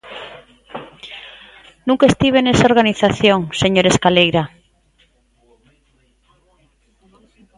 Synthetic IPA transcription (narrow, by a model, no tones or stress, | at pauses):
nũŋkaest̪iβ̞enesaoɾɣaniθaθjõŋseɲoɾeskalejɾa